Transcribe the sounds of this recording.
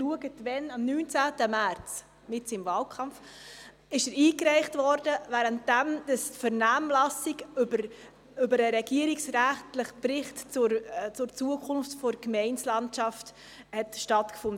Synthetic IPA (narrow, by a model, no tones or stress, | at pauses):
luəɡətvɛnɑmnyːnt͡sæːtəmært͡s | mɪtɪmvɑːlkʰɑmf | ɪʃəɾiːkɾɛɪχtvɔɾdəvæːɾənt̚d̥æmd̥əsfəɾnæːmlɑsɪɡʏbəɾ | ʏbəɾəɾɛɡ̥iəɾiksɾæχtləχpɾɪχtt͡sʊɾt͡sʊɾt͡suəkʰʊnftfɔɾkmɛɪnslɑntʃɑft | hɛtʃtɑtkfʊnd